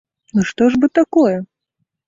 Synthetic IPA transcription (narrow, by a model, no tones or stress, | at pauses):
ɨʂt̪ɔʐbɨt̪akɔjɛ